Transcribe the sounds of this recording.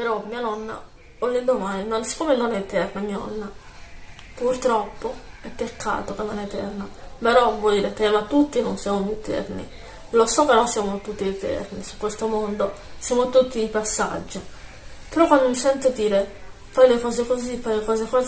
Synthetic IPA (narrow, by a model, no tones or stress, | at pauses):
peɾɔmːiːanɔnːa̰ | olːend̪omaninonsi̥kːoːmeld̪ɔnːaɛet̪ɛrnamiːanɔ̰nːa | purt̪ɾɔpːoɛpːekːa̰ːt̪okemːaneet̪ɛ̰rnapeɾɔvwɔjd̪iːɾet̪ɛmat̪ːut̪ːinonsjamomit̪ɛ̰rnḭ | losɔkːenːonsjaːmot̪ut̪ːiet̪ɛ̰rnisu̥kːwest̪omond̪osjamot̪ut̪ːid̪ipasːa̰d͡ʒːo | peɾɔkwand̪omisɛnt̪od̪iːɾe | fajlekɔːzekozipːajlekɔːzekɔz